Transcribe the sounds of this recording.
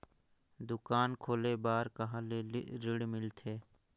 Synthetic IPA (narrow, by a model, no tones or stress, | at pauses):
d̪ʊkaːnkʰoːlebaːɾkəɦãːleɾɪɽmɪlt̪ʰeː